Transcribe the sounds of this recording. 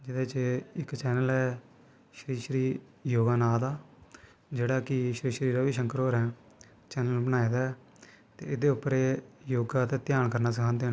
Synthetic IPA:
d͡ʒɪd̪eːt͡ʃeɪkt͡ʃɛːnəlɛː | ʃɾiːʃəɾiː | joːɡaːnaːd̪aː | d͡ʒeːɽaːkɪʃəɾiːʃəɾiːɾaːʋiːʃəŋkəɾɦoːɾɛ̃ː | t͡ʃɛːnəlbənaːed̪aː | t̪ḛːɪd̪eːʊpːəɾeːjoːɡaːt̪eːt̪ɪjaːɳkəɾnaːsəkʰãːnd̪eːn

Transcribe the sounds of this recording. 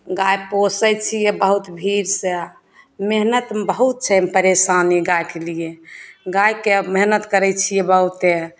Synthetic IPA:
ɡajposɛjt͡ʃʰijebəɦut̪bʱiɾsẽ | meɦnət̪bəɦut̪̚t͡ʃʰɛpəɾesaniɡajkelijeɡajkemeɦnət̪kəɾɛt͡ʃʰijɛbəɦut̪e

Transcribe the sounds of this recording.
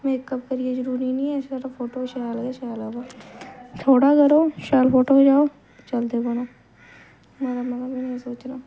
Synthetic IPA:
mẽkːəbkəɾied͡ʒʊɾuːɾinĩɛsaːɾafʰoːʈoːʃajlɡaʃaːlaba | t̪ʰoːɽakɐɾoːʃaːlfʰoːʈoɦd͡ʒaːoː | t͡ʃɐld̪ebənaː | maːɾamɐɡəmɛ̃ñsoːt͡ʃɾaː

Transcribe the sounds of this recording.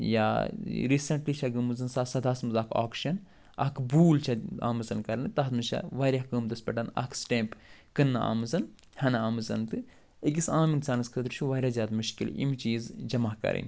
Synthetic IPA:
ja̰ːɾiːsɐɳʈliːt͡ʃʰɐɡɨmɨzɐnsaːsɐd̪aːsmɨzaːkʰa̰ːkʃɐn | ɐ̰kʰbuːlt͡ʃʰɐa̰ːmɨzɐnkɐɾnɨt̪ɐɦt̪mɨt͡ʃʰa̰ʋaːɾʲaɦkɨːmd̪ɐspʲɐʈɐnɐ̰ksʈeːmp | kɨnːɨa̰ːmɨzɐn | hɐnɐaːmɨzɐnt̪ɨ | iɡisaːminsaːnɐskʰɐd̪ɾt͡ʃʰuʋaːɾʲaːzʲjaːd̪muʃkilḭmt͡ʃiːzd͡ʒɐmaːhkɐ̰ɾḭn

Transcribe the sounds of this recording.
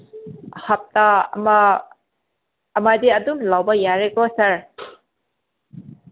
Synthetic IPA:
hɐp̚tam | madiɐdumlawbɐjaɾeɡɔsɐɾ

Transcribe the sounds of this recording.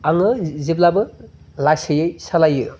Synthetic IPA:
aŋɯziblabɯ | lasɯjɯjsalajɯ

